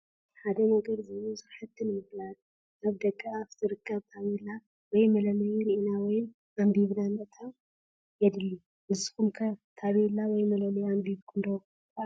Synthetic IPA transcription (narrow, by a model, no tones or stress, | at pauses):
ħad̪ɐnɐɡɐd̪zɐlosɨɾħat̪ʰːɨnɨmɨflat̪ | ʔaβd̪ɐkʼːaaβt̪ʰɨɾɨkʰːɐβt̪ʰaβela | wɔjmɐlɐlɐjiɾiʔinawɔjɪn | ʔambiβnamɐʔt̪ʰaw | jɛd̪ɨlːi | ʔɨzɨxumkʰɐt̪ʰaβelawɔjmɐlɐlɐjambiβkʰɨnd̪ɐ